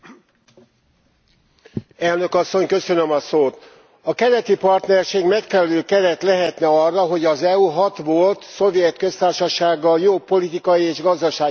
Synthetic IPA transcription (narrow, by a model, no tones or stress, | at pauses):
ɛlnø̞kɒsːo̞ɲkø̞sø̞nømɒsoːt̪ | ɒkɛɾɛt̪ipɒrt̪nɛrʃeːɡmɛkfɛlɛløːkɛɾɛt̪lɛɦɛt̪nɛɒrːɒɦo̞ɟɒzɛuɦɒt̪ʋo̞lt̪so̞vjɛt̪kø̞st̪aːrʃɒʃaːɡːɒljoːpːo̞lit̪ikɒjieːʒɡɒzd̪ɒʃaːɡ